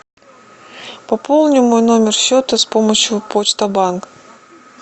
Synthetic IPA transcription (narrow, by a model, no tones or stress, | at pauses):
pɐpo̞lˠnʲɪmojno̞mʲɪrɕot̪əspoməɕjʊpot͡ɕt̪əbank